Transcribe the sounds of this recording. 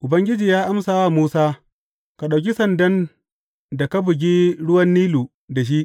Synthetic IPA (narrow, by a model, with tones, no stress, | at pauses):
ʔʊ˨bɐ˦ŋɡʲɪ˦d͡ʒiː˨jaː˦ʔa˦msaː˨waː˦˨muː˦saː˦ | ka˨ɗa˨wk̬ʲi˦sɐ˨ndɐ˦n | da˨ka˦bʊ˨ɡʲiː˦ɽʊ˦wɐ˦nːiː˦luː˨ | da˨ʃ̬i˦ʔ